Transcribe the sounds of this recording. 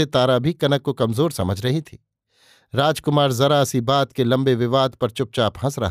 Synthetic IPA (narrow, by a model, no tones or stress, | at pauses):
et̪aːɾabʱikɐnəkːokɐmzoːɾsɐməd͡ʒʱɾɐɦit̪ʰiː | ɾaːd͡ʒkʊmaːɾzɐɾaɐsibaːt̪kelɐ̃mbeʋɪʋaːd̪pɐɾt͡ʃʊp̚t͡ʃaːpɦɐ̃sɾɐ̰ɦ